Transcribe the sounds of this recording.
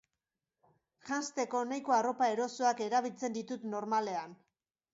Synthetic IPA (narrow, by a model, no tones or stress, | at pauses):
ʝanst̪e̞ko̞najko̞aro̞pae̞ɾo̞soake̞ɾaβilt͡se̞nd̪it̪ut̪no̞ɾmale̞an